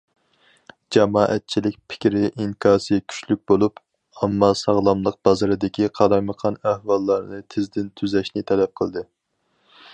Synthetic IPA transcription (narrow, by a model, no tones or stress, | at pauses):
d͡ʒɑmɑːʔɛ̰t̪̚t͡ʃʰilɪk̚ʲpʰɪ̥kʲɾɪʔiŋkʲʰɑːsɨkʲʰy̥t͡ʃlyk̚ʲbolˠup | ɑmːɑsɑʁlˠɑmlˠəq̚b̥ɑzɨɾɨd̪ɪkʲʰiqʰɑɾɑjməqʰɑnæhwɑlˠːɑɾnɨt̪ʰɪzd̪ɪnt̪ʰyzɛʃnɪt̪ʰɛlɛp̚qʰəlˠd̪ɨ